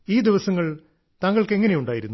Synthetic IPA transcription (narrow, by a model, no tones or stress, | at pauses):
iːd̪iʋɐsɐŋːɐɭ | t̪ɐŋːɐɭke̞ŋːɐne̞juɳɖaːjiɾunːu